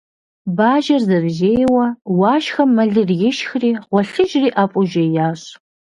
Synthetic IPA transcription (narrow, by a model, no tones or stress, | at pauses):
baːʒɐrzɐbʑeːjwɐwɑːʃxɐmːɐɮɨrjɪʃxriːʁʷɔɬɨʒriːʔapʼʊʒejaːɕ